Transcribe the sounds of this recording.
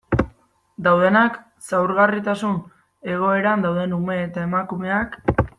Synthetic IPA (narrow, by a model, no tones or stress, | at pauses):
d̪awðe̞nak | sawɾɣarit̪asun | e̞ɣ̞o̞e̞ɾand̪awðe̞nume̞ːt̪ae̞makume̞ak